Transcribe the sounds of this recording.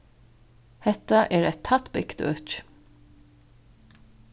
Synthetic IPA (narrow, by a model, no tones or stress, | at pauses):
hɛt̪aʔɛːɾɛt̪ʰːat̪bɪkt̪œ̰t͡ʃ